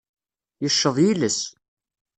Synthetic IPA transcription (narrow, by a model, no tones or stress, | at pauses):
jəʃːəðˤjiləs